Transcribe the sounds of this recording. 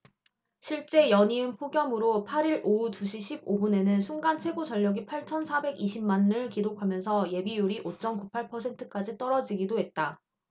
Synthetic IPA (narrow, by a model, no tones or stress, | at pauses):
ɕʰiɭt͡ɕ͈e̞jʌɲiɯnpʰoɡjʌmɯɾopʰaɾiɭoutuɕʰiɕʰib̚obune̞nɯnsʰuŋɡant͡ɕʰwe̞ɡot͡ɕʌʎːʌɡipʰaɭt͡ɕʰʌnsʰabe̞ɡiɕʰimmanːɯɭkiɾokʰamjʌnsʰʌje̞bijuɾiʔot͡ɕ͈ʌnkupʰaɭpʰʌsʰe̞ntʰɯk͈ad͡ʑit͈ʌɾʌd͡ʑiɡidoɦe̞t̚t͈a